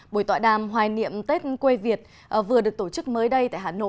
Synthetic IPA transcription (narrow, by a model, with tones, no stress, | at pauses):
ɓo˧˩jt̪wa̰ː˧˨jɗaː˨˩mɦwaː˨˩nḭ˧˨əmt̪e˦˥t̚kwe˧vi˨˩ət̚ | vɨ˨˩əɗɨ˨˩ək̚t̪o˧˩t͡ɕɨ˦˥k̚məː˨˦jɗə˧jt̪a̰ː˧˨jhaː˨˩no̰˧˨